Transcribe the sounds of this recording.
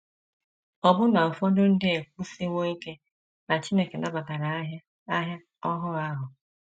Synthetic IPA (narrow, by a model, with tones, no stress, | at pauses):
ɔ˨bʊ˦na˨ɔ˨fɔ˦dʊ˦n̩˦dɪ˦e˨k̚ʷu˦si˦ŋʷo˦i˦ke˦ | na˨t͡ʃi˦ne˦ke˨na˨ba˨ka˨ɾa˨˦ɦja˦ | a˦ɦja˦ | ɔ˦ɦʊ˦a˦ɦʊ˨